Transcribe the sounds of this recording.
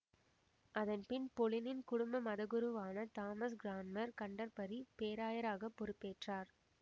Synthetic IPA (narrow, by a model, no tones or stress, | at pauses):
ʔɐðɐnpɪnpɔɭɪnɪnkʊɽʊmbɐmɐðɐɣɯɾɯʋaːnɐt̪aːmɐsɡɾaːnmɐɾkɐɳɖɐɾpɐɾipeːɾaːjɐɾaːɣɐpːɔɾɯpːeːʈraːɾ